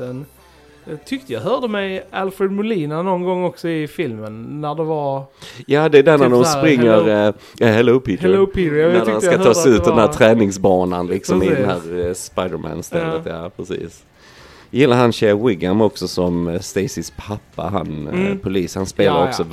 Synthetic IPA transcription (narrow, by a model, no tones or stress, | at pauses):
ɛn | t̪ʰʏk̚t̪əjɑɦœːɖəmɛjalfɾɛd̪mʊliːnanɔnɡɔŋːɔksɔɪfɪlmənːæɖɛvaɾjaːd̪ɛːd̪æɾnæɖɔmsspɾɪŋːəɾ | jahɛloʊpʰɪtpʰiædaskat̪ʰɑːsʉ̟ːt̪d̪ɛnhæːɾt̪ʰɾɛːnɪŋsbɑːnanlɪksɔmɪd̪ɛnhæːɾspaɪd̪əmæ̰ːnst̪ɛlːət̪jaːpʰɾɛsḭːs | jjɪlːaɾhanɕɛwɪɡjamɔksɔsɔmst̪eːsɪspʰapːa̰ɦa̰npʰʊliːshanspeːlaɾɔksɔ